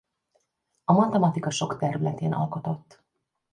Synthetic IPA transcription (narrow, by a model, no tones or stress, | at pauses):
ɒmɒt̪ɛmɒt̪ikɒʃo̞kt̪ɛɾylɛt̪eːnʔɒ̰lko̞t̪o̞t̪ː